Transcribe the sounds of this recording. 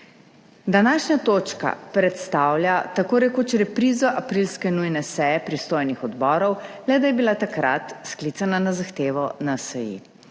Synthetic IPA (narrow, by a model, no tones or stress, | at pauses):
d̪anaːʃnat̪oːt͡ʃka̰pɾɛt̪st̪aːwlʲjat̪akoːɾɛkot͡ʃɾɛpɾiːzɔʔapɾilskɛnujnɛsɛjɛpɾist̪oːjnixɔd̪bɔːɾɔwlɛd̪ajɛbilat̪akɾa̰t̪sklit̪sananazaxt̪eːʋɔnasɛjḭ